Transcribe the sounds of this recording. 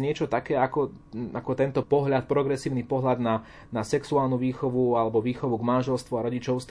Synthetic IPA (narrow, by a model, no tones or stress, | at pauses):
ɲɪɛt͡ʃɔt̪akɛːakɔ | akɔt̪ɛnt̪ɔpɔɦʎat̪̚pɾɔɡɾɛsiːʊnipɔɦlʎad̪na | nasɛksuaːlˠnuʋiːxɔʋualɛbɔʋiːxɔʋuɡmanʒɛlst̪ʋuaɾɔɟit͡ʃɔʊst̪